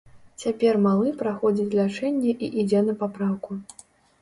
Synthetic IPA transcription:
t͡sʲapʲɛrmalˠɨpɾaxɔd͡zʲit͡sʲlʲat͡ʂɛnʲːɛʔiʔid͡zʲɛnɐpapɾawku

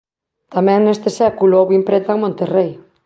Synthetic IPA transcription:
t̪amɛ̃ŋnest̪ɪsɛkulʊowimpɾent̪aŋmõnt̪erej

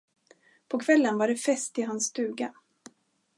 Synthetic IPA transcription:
pʰɔkʰvɛlːənvaɖɛfɛst̪ɪɦansːt̪ʉ̟ːɡa

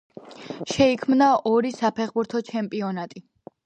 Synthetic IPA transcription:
ʃɛikʰmnaʔɔɾisapʰɛχbuɾt̪ʰɔt͡ʃʰɛmpʼiɔnat̪ʼi

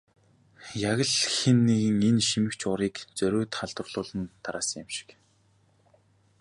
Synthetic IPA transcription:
jaɣə̆ɮxenːeɣɘ̆ŋenʃimɘ̆kt͡ɕʊɾiːkt͡sœɾʲɵːt̪χaɮt̪ə̆rɮ̥ʊːɮə̆nt̪ʰːaɾaːsə̆ŋjɪmʃɪ̥k

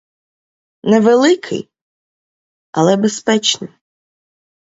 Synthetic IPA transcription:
nɛʋelˠɪkʰɪ̰j | ɐlˠɛbespɛt͡ʃnɪ̰j

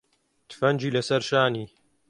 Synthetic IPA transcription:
t̪ɨ̥fɐnd͡ʒiːlɐsɐɾʃaːniː

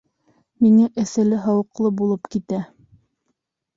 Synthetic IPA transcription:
miŋæʔɘ̆sælɘɦɑwɤ̆qlˠɤbulˠɤpkit̪æ

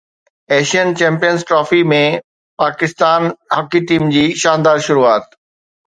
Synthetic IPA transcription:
ɛːʃiənt͡ɕɛ̃ːmpijənzʈɾɔːfimẽ | paːkɪst̪aːnɦɐkiʈiːmd͡ʑiːʃãːnd̪aːɾʃʊɾuaːt̪̚

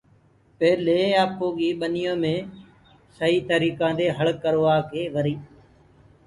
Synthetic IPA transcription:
peːleːaːpoːɡiːɓənɪjõːmẽː | səɦiːt̪əɾiːkãːd̪eːɦəɭkːəɾʋaːkeːʋəɾiː

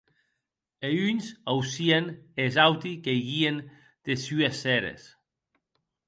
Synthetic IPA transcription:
eynzawsienezawt̪ikejɣien | d̪̥esyesɛɾḛs

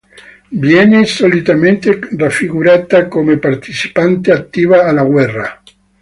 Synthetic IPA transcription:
vjɛnesolit̪ament̪erafːiɣuɾaːt̪akomepart̪it͡ʃi̥pant̪eat̪ːiːvaːlaɡwɛrːa

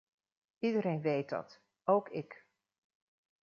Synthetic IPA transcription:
idəɾejnʋejt̚dɑ̰t | owkɪk

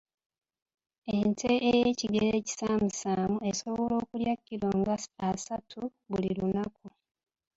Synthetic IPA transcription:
e̞ntʰeʔejeciɡe̞ɾe̞ːci̥saːmusaːmue̞so̞βo̞lo̞ːkuljakːiɾoːŋɡaːsatʰuβulilunaku

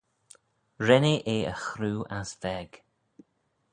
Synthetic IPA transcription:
ɹɛneʔeːəxɾuːʔasvɛɡ̥

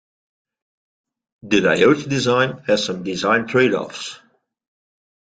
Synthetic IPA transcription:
dɨdaɪotdɨzãɪ̃nɨz̥sʌ̃mdɪzãɪ̃ntʰɹ̥eɪɾɔ̰fs

